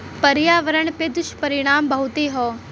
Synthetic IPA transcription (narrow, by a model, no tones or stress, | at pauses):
pɐɾjaːʋəɾəɳ̃ped̪ʊʃpɐɾɪɽ̃aːmbɐɦʊt̪eɦɔː